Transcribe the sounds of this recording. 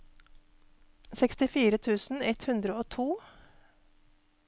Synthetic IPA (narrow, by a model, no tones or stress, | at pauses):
sɛkst̪ɪfiːɾət̪ʰʉːsn̩ɛt̪hʉnd̪ɾəoːt̪ʰuː